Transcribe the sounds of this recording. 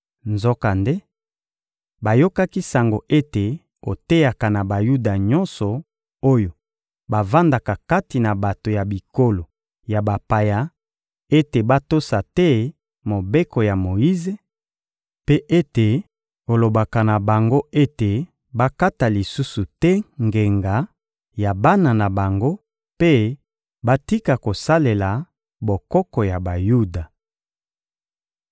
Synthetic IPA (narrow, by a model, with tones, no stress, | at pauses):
nzɔ˦ka˨nde˦ | ba˨jo˦ka˦ki˦sa˨ŋɡo˨ʔe˦te˨ | o̰˨te˦ja˨ka˨na˨ba˨ju˦da˨ɲɔ˦nsɔ˨ | o˦jo˨ | ba˨va˦nda˨ka˨ka˦ti˨na˨ba˨to˨ja˨bi˨ko˦lo˨ | ja˨ba˨pa˨ja˨ | e˦te˨ba˦to˦sa˨tɛ˦ | mo˨be˦kɔ˨ja˨mo˨ji˦ze˨ | pe˦ʔe˦te˨ | o˨lo˨ba˨ka˨na˨ba˨ŋɡo˦e˦te˨ | ba˦ka˦ta˨li˨su˦su˨tɛ˦ŋɡe˨ŋɡa˨ | ja˨ba˦na˨na˨ba˨ŋɡo˦ | pe˦ | ba˦ti˦ka˨ko˨sa˦le˨la˨ | bo˨kɔ˦kɔ˨ja˨ba˨ju˦da˨